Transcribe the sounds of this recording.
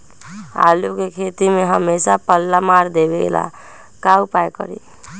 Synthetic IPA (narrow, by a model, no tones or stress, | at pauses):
a̰lukekʰet̪imeɦəmesapəlːamaɾd̪ebeɡḛla̰ | kaupajkə̰ɾḭ